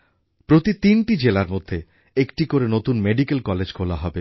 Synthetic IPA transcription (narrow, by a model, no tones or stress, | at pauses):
pɾot̪it̪inʈid͡ʑelaɾmod̪ʱːe | ekʈikoɾenot̪unmeɖikelkɔled͡ʑkʰolaɦɔbe